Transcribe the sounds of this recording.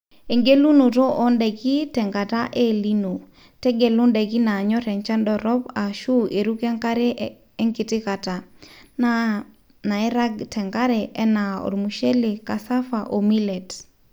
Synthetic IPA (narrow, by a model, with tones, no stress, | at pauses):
e˨ŋɡe˦lu˦no˨to˦ʔɔ˦ndɛ˨ki˦tɛ˨ŋɡa˨ta˦ʔe˦li˦no˨ | tɛ˦ɡe˨lu˦ndɛ˨ki˦na˨ɲɔ˦ɾɛ˨nt͡ʃa˦ndɔ˨ɾɔ˦pa˨ʃu˦e˨ɾu˦kɛ˦ŋka˦ɾe˦ | ɛ˦ŋki˨tɪ˦ka˨ta˨na | na˨ɛ˦ɾa˦ɡtɛ˨ŋɡa˦ɾɛ˨ʔɛ˦na˨ɔ̰˨ɾmu˨ʃe˦le˨ka˨sa˦fa˨ʔo˨mi˦lɛ˨t